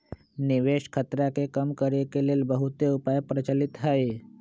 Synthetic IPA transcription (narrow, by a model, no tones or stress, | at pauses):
niʋeʃkʰət̪ɾakekəmkəɾekeleːlbəɦut̪eupajpɾət͡ʃəlit̪ɦae